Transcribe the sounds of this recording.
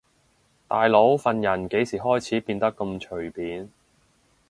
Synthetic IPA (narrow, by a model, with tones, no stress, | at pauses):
t̪aː˨jlo˨˥wfɐ˨njɐ˨˩nke˨˥jsiː˨˩ɦɔː˥jt͡sʰiː˨˥piː˧nt̪ɐ˥kːɐ˧mt͡ʃʰɵ˨˩ɥpiː˨˥n